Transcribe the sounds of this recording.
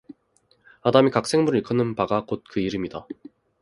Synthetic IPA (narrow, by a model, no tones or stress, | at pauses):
adamikak̚s͈e̞ŋmuɾɯɭik͈ʰʌnɯnpaɡakot̚kɯiɾɯmida